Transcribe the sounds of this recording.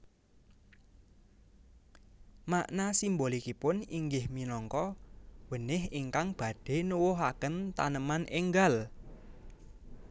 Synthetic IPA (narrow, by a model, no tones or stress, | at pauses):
maʔnasimbolikipʊniŋɡɪhminɔŋkɔwənɪhiŋkaŋb̥a̤ɖ̥e̤nuwʊɦakənt̪a̰nəmaneŋɡal